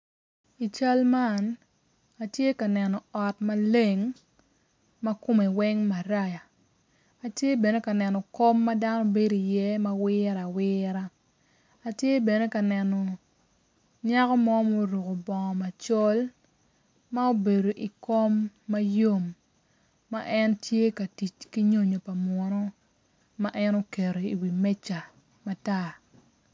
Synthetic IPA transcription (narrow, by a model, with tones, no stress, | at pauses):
i˨t͡ʃa˦lma˦˨n | a˨tje˦ka˨nɛ˨nɔ˨ɔ˨tma˦le˦˨ŋ | ma˦ko˦me˨wɛ˦ŋma˨ɾa˦ja˨ | a˨tje˦be˨ne˦ka˨nɛ˨nɔ˨ko˦mːa˦da˦nɔ˦be˦do˨i˨jɛ˦ma˦wɪː˦ɾa˨wɪː˦ɾa˦ | a˨tje˦be˨ne˦ka˨nɛ˨nɔ˨ | ɲa˦kɔ˦mɔ˦mo˦ɾo˨ko˨bɔ˨ŋɔ˨ma˨t͡ʃɔ˦l | ma˦o˦be˨do˨ʔi˨ko˦mːa˦jo˦mː | a̰˦ʔɛ˦ntje˦ka˨ti˨t͡ʃki˦ɲo˦ɲo˨pa˨mwɔ˨nɔ˦ | ma˦ʔɛ˦no˦ke˨ɾo˨i˨wi˨mɛ˦t͡ʃa˨ | ma˨ta˦